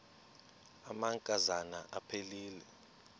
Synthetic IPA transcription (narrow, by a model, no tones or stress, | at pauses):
amaŋkʼazanaʔapʰeliːlɛ